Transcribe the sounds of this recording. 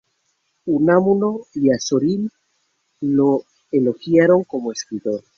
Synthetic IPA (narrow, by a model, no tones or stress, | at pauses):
unamunoiasoɾil | lo | eloxjaɾo̞ŋko̞moeskɾit̪oɾ